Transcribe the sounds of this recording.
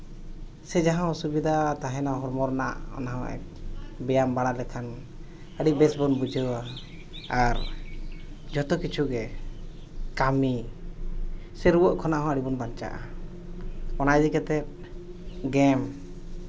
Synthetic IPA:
sɛd͡ʒaɦãɔsubid̪ʱat̪aɦɛ̃naɦɔɾmɔɾna̰ʔɔ̰naɦɔ̃ʔɛ̰bɛjambaɽ̃alɛk̪ʰan | əɽibɛsbɔnbud͡ʒəwa | aɾ | d͡ʒɔt̪ɔkit͡ʃʰuɡɛ | kami | sɛɾuwɔʔkʰɔnaʔɦɔ̃əɽibɔnbaɲt͡ʃa̰ʔa̰ | ɔnajd͡ʒikɛt̪ɛt̪̚ | ɡɛm

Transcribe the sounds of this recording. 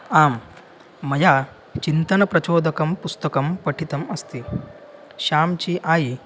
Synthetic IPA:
aːmː | ɐjaː | t͡ɕint̪ɐnɐpɾɐt͡ɕoːd̪ɐkɐmpust̪ɐkɐmpɐʈʰit̪ɐmɐst̪i | ɕaːmt͡ɕiːʔaːji

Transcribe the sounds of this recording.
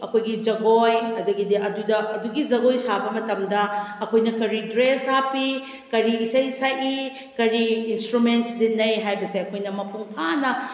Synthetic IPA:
ɐkʰojɡid͡ʒɐɡojɐdɐɡidiʔɐdudɐʔɐduɡid͡ʒɐɡojsabɐmɐtɐmdɐɐkʰojnɐkɐɾidɾesapi | kɐɾiːsajisaji | kɐɾiːnstɾumentszinɐjɦajbɐseɐkʰojnɐmɐpuŋpʰanɐ

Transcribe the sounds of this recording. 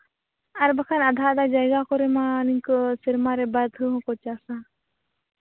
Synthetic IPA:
ɐɾbəkʰanɐd̪ʱaːd̪ad͡ʒajɡakɔɾemãniŋksiɾmaɾebad̪ʱɯɦkot͡ʃasã

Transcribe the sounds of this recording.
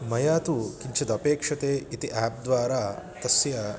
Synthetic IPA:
mɐjaːt̪ukiɲt͡ʃɐd̪ɐpeːkʂɐt̪eːit̪iʔaːp̚d̪ʋaːɾaːt̪ɐsjɐ

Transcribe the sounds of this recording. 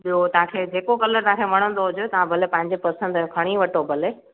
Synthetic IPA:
ɓijot̪ɐʋ̤ãkʰeːd͡ʑeːkokɐləɾt̪ɐ̃ãkʰemɐɽ̃ə̃n̆d̪oɦʊd͡ʑot̪ɐʋ̤ãbʱɐlepɐ̃ɦɪ̃ɲd͡ʑepɐsə̃nd̪kʰɐɽ̃iʋɐʈobʱɐle

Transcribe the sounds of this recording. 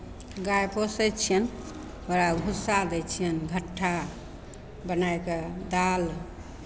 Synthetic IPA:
ɡajposət͡ʃʰijən | oɾaɡʱusad̪ɛt͡ʃʰijənɡʱəʈʰːa | bənajked̪al

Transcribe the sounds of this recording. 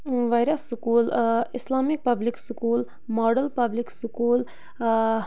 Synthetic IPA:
ʋajɾɐsːukuːlɪslaːmik̚pɐbliksukuːl | moːɖɐlpɐbliksukuːl

